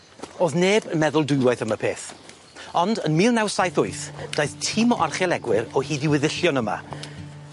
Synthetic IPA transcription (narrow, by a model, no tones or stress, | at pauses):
oːðneːbənmɛðʊlˠdʊɨwaɨθəməpʰeːθ | ɔndənmiːlˠnawsajθʊɨθd̥ajθtʰimɔʔarχjɛlˠɛɡwɪɾɔhiːdɪwɪðɪɬjɔnəma̰